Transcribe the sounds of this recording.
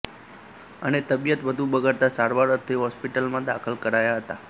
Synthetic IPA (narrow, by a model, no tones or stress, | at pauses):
ənet̪əbjət̪ʋəd̪ʱũbəɡaɾt̪asaɾʋaɾəɾt̪ʰiɦɔspiʈəlmãd̪akʰəlkəɾajaɦət̪a